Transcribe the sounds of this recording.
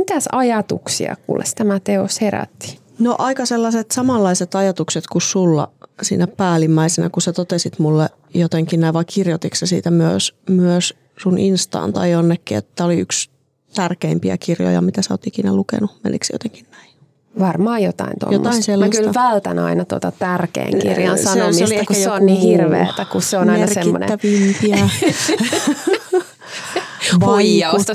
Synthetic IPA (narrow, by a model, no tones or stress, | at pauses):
mit̪æsɑjɑt̪uksḭɑ̰kṵːlḛst̪æmæt̪eosheɾæ̰t̪ːi̥ | no̰ʔɑikɑselːɑset̪sɑmɑlːɑiset̪ɑjɑt̪ukset̪kussulːɑ̰sḭːnæpæːlimːæisenæ̰kusæt̪ot̪esit̪mulːe | jot̪eŋkinnæiʋɑikʰirjot̪iksesḭːt̪æmyøsmyøs | sunʔinst̪ɑ̰ːnt̪ɑ̰ionːekːiḛt̪ːæoliyks | t̪ærkeimpiæ̰kirjo̰jɑ̰mit̪æseo̰ːt̪ikinælukḛnumḛlːḭksijo̰t̪eŋkinnæi | ʋɑrmɑːjot̪ɑ̰int̪o̰jomt̪ːɑiselːmæɑkyltʋælt̪ænɑ̰inɑt̪uo̰t̪ɑt̪ærkḛiŋkḭrjɑ̰nssɑsnomiolieehkujeonnniːhirʋḛːt̪ækusseonɑmeɑrsemːo̰nḛːæʋimpiæ | poijɑst̪ɑ